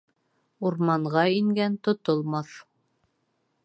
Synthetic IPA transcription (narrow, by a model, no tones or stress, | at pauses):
uɾmɑɴʁɑiŋɡænt̪ŏt̪olˠmɑθ